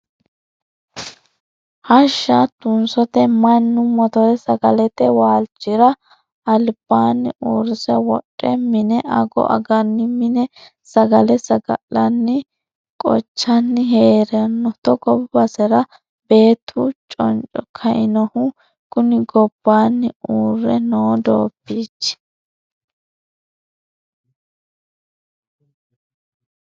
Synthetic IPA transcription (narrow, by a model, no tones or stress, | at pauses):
hɐʃːɐt̪ʊnsɔt̪ɛmɐnːʊmɔt̪ɔɾɛsɐɡɐlɛt̪ɛwaːlt͡ʃːɪɾɐ | ɐlb̥aːnːɪʔuɾsɛwɔɗʼːɛmɪnɛʔɐɡɔ̰ʔɐ̰ɡɐnːɪmɪnɛ | sɐɡɐlɛsɐɡɐ̰lːɐnːɪ | kʼɔ̰t͡ʃːɐnːɪɦeːɾɛnːɔt̪ɔɡɔbbɐsɛɾɐ | b̥e̞ːt̪ʰːʊt͡ʃʼɔ̰nt͡ʃʼɔkʰɐʔɪnɔhʊ | kʊnɪɡɔb̥ːaːnːɪuːrːɛnoːd̪oːpːiːt͡ʃː